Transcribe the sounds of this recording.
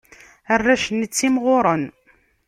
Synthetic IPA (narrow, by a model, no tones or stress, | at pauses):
ərːæʃənət͡sːimʁʊɾˤən